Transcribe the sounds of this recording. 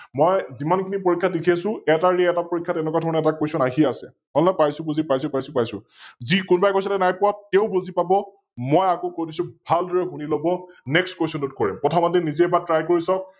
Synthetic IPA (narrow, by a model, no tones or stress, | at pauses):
mɔjzimankʰinipoɹikʰːadekʰiasʊ̃ɛtaɹɛɛtapoɹikʰːatɛnɛk̬adʱɔɹɔnɛɛtakwesɔnaɦiasɛ̰ | ɦɔlnapajsʊ̃bozipajsʊpajsʊ̃pajsʊ | zikʊnbajkɔsatɛnajpʊwap̚tɛʊ̃bozipabɔ | mɔjakokojdisʊ̃bʱaldɔɹɛxunilɔbɔnɛkstkwesɔntut̚kɔɹḭmpɔtʰamatɛnizɛɛbatɹajkoɹisɔk̚